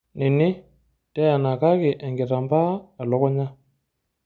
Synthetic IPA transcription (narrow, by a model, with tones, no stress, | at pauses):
nɪ˨nɪ˦ | tɛ˦a˨na˨ka˦kɪ˨ʔɛ˨ŋɡe˨ta˨mbaː˦˨lɔ˦kɔ˦ɲa˦